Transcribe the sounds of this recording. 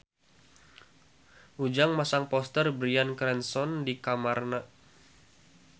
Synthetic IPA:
ʔud͡ʒaŋmasaŋpɔst̪ərbɾiankɾɛnsɔndikamarna

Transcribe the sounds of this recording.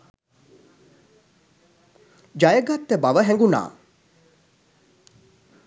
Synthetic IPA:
d͡ʒajəɡat̪ːəbaʋəɦɛŋɡuna̰ː

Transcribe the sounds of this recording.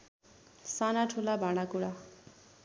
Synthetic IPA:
sanaʈʰulabʱaɽ̃akuɽa

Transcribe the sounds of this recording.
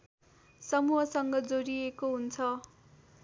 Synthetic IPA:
sʌmuɦʌsʌŋɡʌd͡zoɾiekoɦunt͡sʰʌ

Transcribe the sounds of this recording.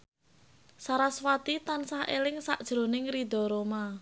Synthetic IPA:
saɾaswat̪it̪ansahḛlɪŋsa̰ʔd̥ʒ̥ɾo̤nɪŋɾid̪ɔ̤ɾoma

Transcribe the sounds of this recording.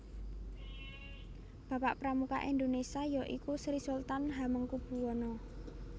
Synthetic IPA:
b̥a̤paʔpɾamuka̰ʔind̪onesajɔʔikusɾisult̪anɦaməŋkub̥ṳwɔnɔ

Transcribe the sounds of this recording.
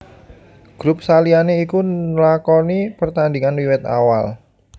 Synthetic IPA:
ɡ̥ɾʊp̚salianeikulakɔnipərt̪andiŋanwiwɛt̪a̰wal

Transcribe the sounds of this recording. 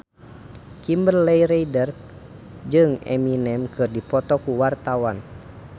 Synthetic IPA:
kimbərlɛjɾeidər | d͡ʒɨŋɛ̰minɛmkɨrdipɔt̪ɔkuwart̪awan

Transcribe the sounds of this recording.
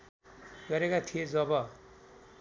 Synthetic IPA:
ɡʌɾekat̪ʰijed͡zʌbʌ

